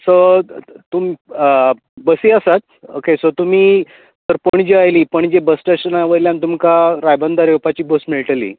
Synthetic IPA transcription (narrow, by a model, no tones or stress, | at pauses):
sət̪umi | bəsiːəsat̪̚ | okesət̪um̤iː | t̪əɾpəɳd͡ʑeajliːpəɳd͡ʑebəsʈeɕənaʋəɾljãnt̪umkaɾajbənd̪aɾewpat͡ɕiːbəsmiɭʈəlḭː